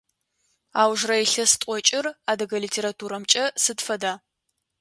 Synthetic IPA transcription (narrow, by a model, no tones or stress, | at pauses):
aːwʒrɐjɬɐstʼʷɔt͡ʃʼɪraːdɐɡɐlitʰeːɾatʰuːɾɐmt͡ʃʼɐsɨdfɐdaː